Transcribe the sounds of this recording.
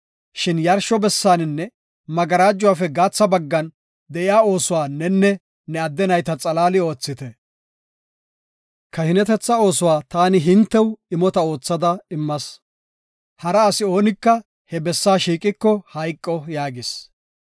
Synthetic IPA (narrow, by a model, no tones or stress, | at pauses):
ʃɪnjɐɾʃɔbɛsːaːnɪnːɛ | mɐɡɐɾaːd͡ʒːʊwaːfɛɡaːt͡sːɐbɐɡːɐn | d̪ɛʔɪjaːo̞ːsʊwaːnːɛnːɛ | nɛɐd̪ːɛnɐjt̪ɐt͡sʼɐlaːlɪo̞ːt͡sːɪt̪ɛ | kɐhɪnɛt̪ɛt͡sːɐo̞ːsʊwaːt̪aːnɪɦɪnt̪ːɛwɪmɔt̪ɐo̞ːt͡sːɐd̪ɐɪmːɐs | hɐɾɐːsɪo̞ːnɪkːɐ | hɛbɛsːaːʃiːkʼɪkːɔhɐjkʼːɔjaːɡɪs